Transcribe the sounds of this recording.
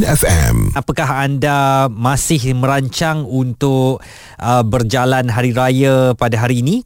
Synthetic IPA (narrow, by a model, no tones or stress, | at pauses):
nɛfɛ̰̃mapakaɦandamãsɪhmə̃ɾaɲt͡ʃaŋunt̪ʊk | ʔəbərd͡ʒalanɦaɾiɾajapadaɦaɾiːnĩ